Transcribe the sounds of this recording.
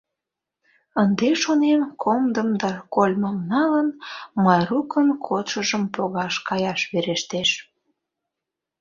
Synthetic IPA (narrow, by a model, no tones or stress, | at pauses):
ənd̪eʃonemkʰomd̪əmd̪ɑkolʲməmnɑlənmɑjrukənkʰot̪ʃəʒəmpoɣɑʃkɑjɑʃβeɾeʃt̪eʃ